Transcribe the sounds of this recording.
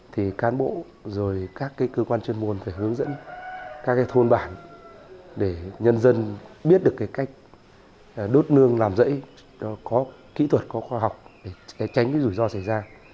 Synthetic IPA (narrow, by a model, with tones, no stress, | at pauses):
t̪ʰi˨˩kaː˨˦nɓo̰˧˨ | zo˨˩jkaː˦˥kːaː˨˦jkəː˧kwaː˧nt͡ɕwi˧nmu˨˩ənfaː˧˩jhɨ˨˦əŋzə̰˧˥nkaː˦˥kːaː˨˦jt̪ʰo˧nɓaː˧˩n | ɗe˧˩ɲə˧nzə˧nɓi˦˥ət̚ɗɨ˨˩əkːaː˨˦jka˦˥jk̟̚ | ɗo˦˥t̚nɨ˧əŋlaː˨˩mzə̰˧˥j | ɔ˨˦kɔ˨˦ | kḭ˧˥t̪ʰwə˨˩t̚kɔ˨˦xɔ˧ɦa˨˩wk͡p̚ɗe˧˩˨t͡ɕa˨˦jŋ̟kaː˨˦zu˧˩jzɔ˧sa˧˩jzaː˧